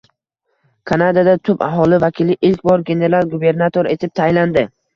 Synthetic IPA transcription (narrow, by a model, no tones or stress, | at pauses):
kʰanad̪ad̪at̪ʰʊpa̰ɦɒlˠɪvakʲʰɪlɪʔɪlkʲbɒɾɡʲe̞ne̞ɾalˠɡube̞ɾnat̪ʰoɾe̞t̪ʰɪp̚t̪ʰajland̪ɪ